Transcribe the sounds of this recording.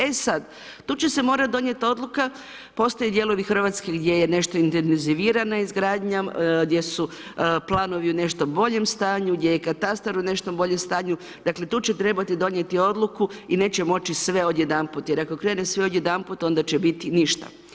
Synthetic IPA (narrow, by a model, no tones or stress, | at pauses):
e̞sad̪ | t̪uːt͡ɕe̞se̞mo̞ːɾat̪̚d̪o̞ɲjet̪o̞d̪lˠuka | po̞st̪ojed̪jelˠo̞ʋixr̩ʋat̪ske̞ɡd̪jeje̞ne̞ʃt̪o̞int̪enziʋiːɾanaizɡɾaːd̪ɲaɡd̪jesu | plˠaːno̞ʋiune̞ʃt̪obo̞ʎe̞mst̪aːɲuɡd̪jejekat̪ast̪aɾune̞ʃt̪ombo̞ʎemst̪aːɲu | d̪akle̞t̪uːt͡ɕet̪ɾe̞bat̪id̪o̞ɲje̞t̪io̞d̪lˠukuine̞ːt͡ɕemo̞t͡ɕisʋe̞o̞d̪je̞d̪amput̪je̞ɾako̞kɾe̞ːnesʋe̞od̪jed̪amput̪o̞nd̪at͡ɕebit̪iniʃt̪a̰